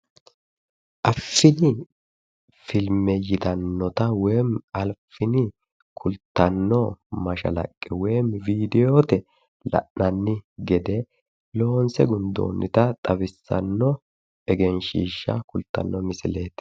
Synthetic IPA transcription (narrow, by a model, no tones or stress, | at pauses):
ʔɐfːɪnɪ | fɪlmɛjɪt̪ɐnːɔt̪ɐwɛːmɐlfɪnɪ | kʰʊlt̪ːɐnːɔmɐʃɐ̰lɐ̰kʼːɛwɛːmviːd̪ɛjoːt̪ɛ | lɐ̰ʔnɐnːɪɡɛd̪ɛ | lo̞ːnsɛɡʊnd̪o̰ːnːɪt̪ɐt̪ʼɐbɪsːɐ̰nːɔ | ɛɡɛnʃiːʃːɐ̰kʊlt̪ːɐ̰nːɔmɪsɪleːt̪